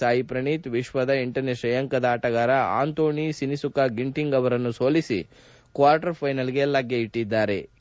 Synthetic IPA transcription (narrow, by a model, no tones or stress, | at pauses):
aːjipɾɐɳit̪ʋiʃʋɐd̪ɐiɳʈɐɾneʃɐjɐŋkɐd̪ɐaːʈɐɣaːɾɐa̰ːnt̪oːɳisinisukaɡiɳʈiŋɡɐʋɐɾɐnːusoːlisḭ | kʋaːɾʈɐɾpʰɐjnɐlɡe̞lɐɡjeiʈːid̪ːaːɾe̞